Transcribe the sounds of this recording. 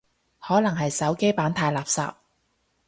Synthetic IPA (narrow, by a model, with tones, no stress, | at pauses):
hɔː˨˥nɐ˨˩ŋɦɐ˨jsɐ˨˥wke˥jpaː˨˥nt̪ʰaː˧jlaː˨p̚sa̰ː˨p̚